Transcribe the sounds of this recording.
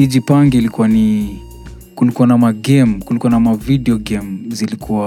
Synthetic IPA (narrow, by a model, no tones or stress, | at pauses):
iʄipaŋɡilikuwani | kulikuwanamaɡɛmkulikuwanamavidiɔɡɛmzilikʰuwa